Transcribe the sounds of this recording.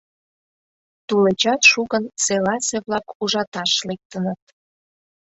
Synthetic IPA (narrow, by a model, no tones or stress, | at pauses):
t̪ulet͡ɕɑt̪ʃuɣənselɑseβlɑkuʒɑt̪ɑʃlek̚t̪ənət̪̚